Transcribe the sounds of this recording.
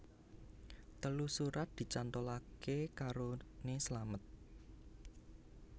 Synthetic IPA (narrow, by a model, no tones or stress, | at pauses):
t̪əlusuɾat̪̚d̪̥i̤t͡ʃant̪olakekaɾonesəlamət̪̚